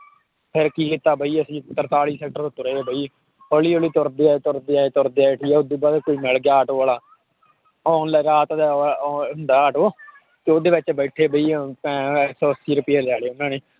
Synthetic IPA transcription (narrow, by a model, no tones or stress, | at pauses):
pʰɪɾkiːkit̪aːbəiːəsĩːt̪əɾt̪aːɭiːsɛːk̚ʈəɾt̪oːt̪ʊɾeːbʱəiː | oːliːoːliːt̪ʊɾd̪eːaːt̪ʊɾd̪eːaːeːt̪ʊɾd̪eːeʈʰiːɛːod̪iːbaːd̪koːiːmɪlɡjaːaːʈoːaːlaː | ɔːnlaɾaːt̪d̪ɦʊnd̪aːaːʈoː | t̪eːoːd̪eːʋɪt͡ʃbəːʈʰeːbəiːpːsɔːsiːɾʊpɪjeːlaːleːʊnːãːneː